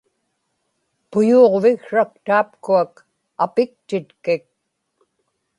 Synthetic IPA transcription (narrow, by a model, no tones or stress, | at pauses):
pʊjuːʁvɪɣʂak̚t̪aːp̚kuak | apɪk̚t̪ɪt̪kɪk̚